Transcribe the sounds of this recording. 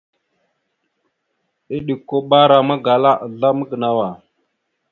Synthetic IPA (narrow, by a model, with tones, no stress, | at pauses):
i˦ɗi˨kːo˦ɓa˦ɾa˨ma˦ɡa˨la˦ʔa˨ɮa˦mə˦ɡə˨na˦wa˨